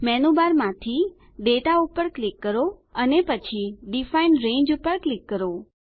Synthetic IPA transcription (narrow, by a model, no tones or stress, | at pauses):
mɛnubaɾmãt̪ʰi | ɖeʈaupəɾklɪkːəɾoənepət͡ʃʰiɖifainɾẽɲd͡ʒupəɾklɪkːəɾo